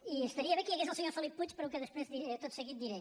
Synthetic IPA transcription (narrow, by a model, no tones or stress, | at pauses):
iʃt̪ɐɾiɐðɐkiɐɣezɐlˠsɲoɾfɐlˠipput͡ʃ̪ʃpɐɾɐukɐðɐʃpɾezðit̪oðusɐɣiðːiɾejt̪